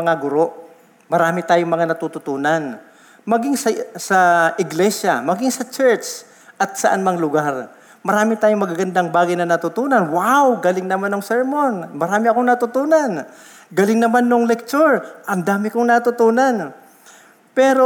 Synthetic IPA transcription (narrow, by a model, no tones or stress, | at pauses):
mɐŋaɡʊɾo̞ʔ | mɐɾaːmɪt̪aːjoŋmɐŋanɐt̪ut̪ʊt̪uːnan | mɐɡɪŋsɐsɐʔɪɡlɛsamɐɡɪŋsɐt͡ʃɛɹt͡ʃ | ʔɐt̪̚sɐʔanmɐŋalʊɡaɾ | mɐɾaːmɪt̪aːjoŋmɐɡaɡɐnd̪aŋbaːɡɐjnɐnɐt̪ʊt̪uːnɐnwawɡɐlɪŋnɐmanːoŋsɛɹmonmɐɾaːmɪɐkoŋnɐt̪ʊt̪uːnan | ɡɐlɪŋnɐmanːoŋlɛk̚t͡ʃoɹʔɐmd̪aːmɪkoŋnat̪ʊt̪uːnan | pɛːɾo